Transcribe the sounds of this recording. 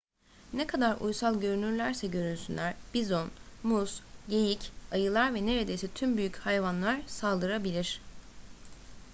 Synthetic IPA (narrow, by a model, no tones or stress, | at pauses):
nɛkʰad̪aɾṵjsalˠɟø̞ɾynyɾlʲæɾsɛɟø̞ɾynsynlʲæɾ̥b̥izonmusje̞jicajɯlˠaɾvɛne̞ɾe̞d̪e̞jsit̪ʰymbyjychajvanlˠaɾsalˠd̪ɯɾabilʲiɾ̥